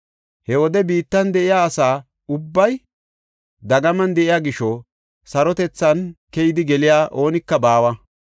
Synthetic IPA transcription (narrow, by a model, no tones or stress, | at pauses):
hɛwɔd̪ɛbiːt̪ːɐnd̪ɛʔɪjaːsaː | ʊbːɐj | d̪ɐɡɐmɐnd̪ɛʔɪjaːɡɪʃɔ | sɐɾɔt̪ɛt͡sːɐnkɛjɪd̪ɪɡɛlɪjaːʔo̞ːnɪkːɐbaːwɐ